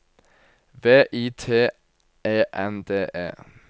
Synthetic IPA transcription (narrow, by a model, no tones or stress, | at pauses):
ʋeːʔiːt̪ʰeː | eːʔɛnd̪eːʔḛː